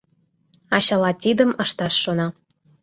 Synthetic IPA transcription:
ɑɕɑlˠɑt̪ʲid̪ə̆mɤ̆ʂt̪ɑʂːonɑ

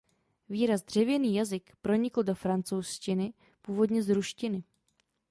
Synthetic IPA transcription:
viːɾazd̪r̝ɛvjɛniːjazɪkpɾo̞ɲɪkl̩do̞fɾant͡sowscɪnɪ | puːvo̞dɲɛzɾuʃcɪnɪ

